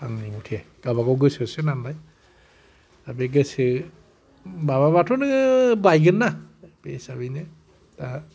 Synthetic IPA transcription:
aŋniŋutʰe | ɡ̥abaɡɔwɡɯsɯsɯnambaj | dabeɡɯsɯ | maβabatʰɔnɯbajɡɯnːab̥esabinɯ | ta

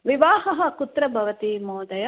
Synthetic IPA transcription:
ʋiʋaːɦɐɦɐkut̪ɾɐbʱɐʋɐt̪imoːd̪ɐjɐ

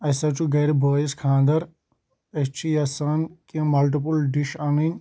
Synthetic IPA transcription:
ɐsɐt͡ʃuɡɐɾibɐːjiskʰãːnd̪ɐɾ | ɐt͡ʃʰijasaːnkĩmɐlʈ̬ip̬ulɖiʃaːninʲ

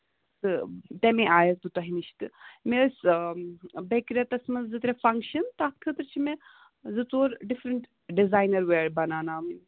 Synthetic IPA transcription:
t̪ɨt̪emẽʔaːjɐt̪̚d̪ut̪ɐɦiniʃʰt̪ɨmes | bekɾʲɐt̪ɐsmɐzzɨt̪ɾefɐŋkʃɐnt̪aːt̪̚kʰət̪ɾt͡ʃʰimẽ | zɨt͡s̪oːɾɖifɾɐɳʈ | ɖizaːjnɐɾʋeːɾbɐnaːnaːmin

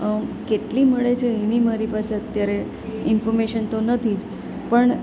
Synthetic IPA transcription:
əkeʈliməɭet͡ʃʰeəinimaɾipaseət̪jaɾe | ɪnfɔɾmeʃənt̪onət̪ʰid͡ʒ | pəɳ

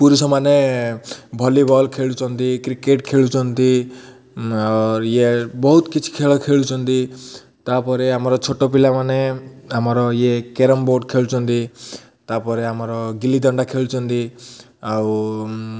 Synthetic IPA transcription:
puɾusɔmane | bʱɔlibʱɔlkʰeɭut͡ʃʰɔnt̪ikɾikeʈkʰeɭut͡ʃʰɔnt̪i | awɾjebɔɦut̪kit͡ʃʰi̥kʰeɭɔkʰeɭut͡ʃʰɔnt̪i | t̪apɔɾeamɔɾɔt͡ʃʰoʈɔp̬ilamaneamɔɾɔjekeɾɔmboɾɖkʰeɭut͡ʃʰɔnt̪i | t̪apɔɾeamɔɾɔɡilid̪ɔɳɖakʰeɭut͡ʃʰɔnt̪i | aw

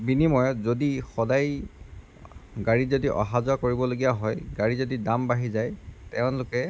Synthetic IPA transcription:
binimɔjɔzodixɔdaj | ɡaɹizodiʔɔ̰ɦazʊakoɹibɔloɡijaɦɔjɡaɹizodidambaɦizajtɛʊ̃lʊkɛ

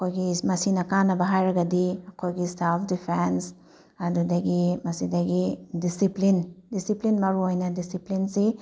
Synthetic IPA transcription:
ɐkʰojɡimɐsinɐkanɐbɐɦajɾɐɡɐdiɐkʰojɡiselpʰdipʰens | ɐdudɐɡimɐsidɐɡidisiplindisiplinmɐɾuojnɐdisiplinsi

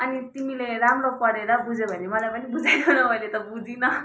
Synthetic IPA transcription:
ʌnit̪imileɾamɾopʌɽeɾʌbud͡zebʱʌnemʌlajpʌnibud͡zajk̪onʌbʱʌjnet̪ʌbud͡zinʌ

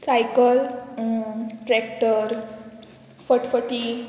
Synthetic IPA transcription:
sajkəl | ʈɾɛkʈəɾ | fəʈfəʈi

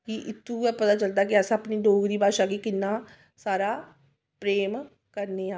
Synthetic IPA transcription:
kiʔɪt̪ːũːɛpət̪aːt͡ʃəld̪aːkɪəsãəpniːɖoːɡɾiːbaːʃaːkiːkɪnːaː | saːɾaː | pɾeːm | kəɾneːaː

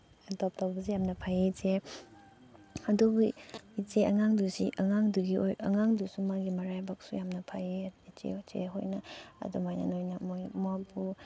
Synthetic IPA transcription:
tɔp̚tawbɐzijamnɐpʰajeze | adubuit͡ʃeaŋaŋdusḭʔaŋaŋduɡioja̰ŋaŋdusumaɡimaɾajbak̚sujamnɐpʰajet͡ʃḛt͡ʃḛɦo̰jnaɐ̰dumajna̰nojnamojmapʰu

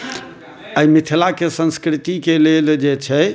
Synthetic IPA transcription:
əimit̪ʰilakesə̃nskɾit̪ikeleld͡ʒet͡ʃʰɛ

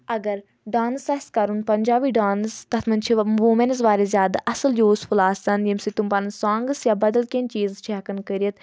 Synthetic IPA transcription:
ɐɡəɾ | ɖaːnsɐskɐɾunpɐnʲd͡ʒaːʋiːɖaːnst̪ɐt̪ʰmɐnt͡ʃʰiʋuːmenzʋaːɾezjaːd̪aʔɐsəljoːspʰʊlaːsɐnjɐmsit̪umpɐnsãːŋɡəsjaːbɐd̪əlkẽnt͡ʃiːzt͡ʃʰɛːkənkəɾijət̪

